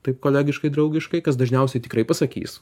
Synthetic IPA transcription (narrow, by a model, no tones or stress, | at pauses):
t̪ɐɪp̚koːlʲæːɡʲɪʃkɐɪd̪ɾɐʊɡʲɪʃkɐɪkɐs̬d̪ɐʒʲnʲɛʊsʲɛɪt̪ʲɪkɾɐɪpɐsɐkʲḭːs